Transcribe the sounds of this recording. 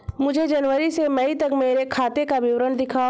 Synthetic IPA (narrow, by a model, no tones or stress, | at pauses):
mʊd͡ʒʱed͡ʒɐnʋəɾisemɐit̪ɐkmeːɾekʰaːt̪ekaʋɪʋɾənd̪ɪkʰa